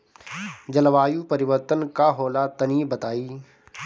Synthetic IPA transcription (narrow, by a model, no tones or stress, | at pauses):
d͡ʒɐlʋaːjupɐɾɪʋəɾt̪ənkaɦoːlat̪ɐniːbɐt̪aːiː